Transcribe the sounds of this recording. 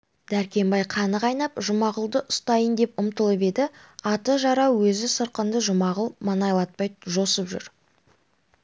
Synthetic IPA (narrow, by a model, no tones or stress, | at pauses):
d̪æɾkʲe̞mbɑjqʰɑnəqɑjnɑpʒʊmɑʁəlˠd̪əʔʊst̪ɑjənd̪e̞pʊmt̪əlˠəpe̞d̪ɪɑt̪əʒɑɾɑwwɵzɪsəɾqənd̪əʒʊmɑʁəlˠmɑnɑjlˠɑt̪̚pɑjʒo̞səpʒʏ̰ɾ